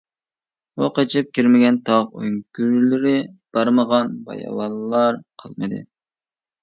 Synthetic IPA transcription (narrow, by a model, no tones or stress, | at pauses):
oqet͡ʃʰɪp̚kʲiɾmɪɡʲɛnt̪ʰɑʁøŋkʲyɾlɪɾɪb̥ɑɾməʁɑnbɑ̰jɑ̰wɑlːɑɾqʰəlˠmɨd̪ɨ̰